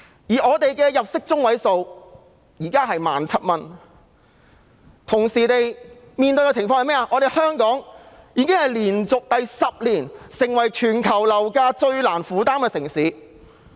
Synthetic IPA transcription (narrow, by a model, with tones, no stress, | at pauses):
jiː˨˩ʔɔː˨˧t̪e˨jkɛː˧jɐ˨p̚sɪ˥k̚t͡sʊ˥ŋwɐ˨˥jso˨˧w | jiː˨˩kaː˥ɦɐ˨jmaː˨˩nt͡sʰɐ˥t̚mɐ˧n | t̪ʰʊ˨˩ŋsiː˨˩t̪e˨j | miː˨˧nt̪ɵ˧ɥjkɛ˧˥t͡sʰɪ˨˩ŋfɔː˧ŋhɐ˨jmɛː˥a˧ʔɔː˨˧ɾe˨jhœː˥ŋkɔː˨˥ŋjiː˨˧kɪ˥ŋhɐ˨˩jliː˨˩nt͡sʊ˨k̚t̪ɐ˨jsɐ˨p̚liː˨˩nsɪ˨˩ŋwɐ˨˩jt͡ʃʰyː˨˩nkʰɐ˨˩wlɐ˨˩wkaː˧t͡ʃɵ˧ɥlaː˨˩nfuː˨˥t̪aː˥mkɛ˧sɪ˨˩ŋsiː˨˥